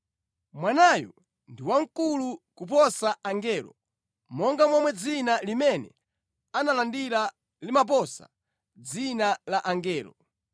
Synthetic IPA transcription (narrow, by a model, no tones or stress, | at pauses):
mwanajɔ̰ | ndiwaŋ̩kulukup̬ɔsaaŋɡɛːlɔ̰ | mɔŋɡamwamwɛd͡zinalimɛnɛ̰ | analandiɾa | limap̬ɔsa̰ | d͡zinalaʔaŋɡɛːlɔ̰